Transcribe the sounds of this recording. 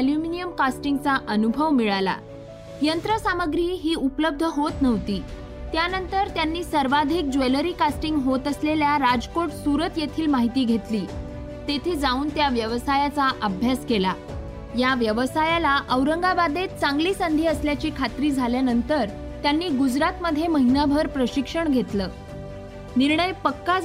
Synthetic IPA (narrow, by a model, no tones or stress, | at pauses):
ljuminijəmkasʈiŋɡ̚t͡saʔənubʱəʋmiɭala̰ | jənt̪ɾəsaməɡɾiːɦiːupləb̚d̪ʱəɦot̪nəʋt̪iː | t̪janənt̪əɾt̪janːiːsəɾʋad̪ʱik̚d͡ʑeləɾiːkasʈiŋɡɦot̪əsleljaɾad͡zkoʈsuɾət̪jet̪ʰiːlmaɦit̪iːɡʱet̪liː | t̪et̪ʰiːd͡zauːnt̪jaʋjəʋəsajat͡saʔəbʱjaskela | jaʋjəʋsajalaʔəʋɾəŋɡabad̪et̪̚t͡sãŋɡliːsənd̪ʱiːəsljat͡ɕiːkʰat̪ɾiːd͡zʱaljanənt̪əɾ | t̪janːiːɡud͡zɾat̪məd̪ʱːjeməɦinabʱəɾpɾəɕikʂəɳɡʱet̪ləː | niɾɳəjpəkːa